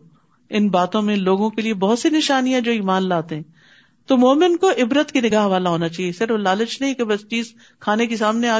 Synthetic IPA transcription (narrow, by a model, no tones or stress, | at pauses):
ɪnbaːt̪õmẽloːɡõkeliebɐɦʊt̪sinɪʃaːnijãd͡ʒoːiːmaːnlaːt̪eɦɛ̃ː | t̪omoːmə̃nkoʔɪbɾət̪kinɪɡaːɦʋaːlaɦoːnat͡ʃaːɦiesɪɾəflaːlət͡ʃnɐɦĩkebɐst͡ʃiːz | kʰaːnekisaːmneaː